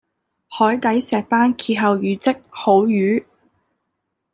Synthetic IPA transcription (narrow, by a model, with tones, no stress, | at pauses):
hɔː˨˥jt̪ɐ˨˥jsɛː˨˩k̚faː˥nkʰiː˧t̚ɦɐ˨˧wjyː˨˧t͡sɪ˥k̚ho˨˥wjyː˨˥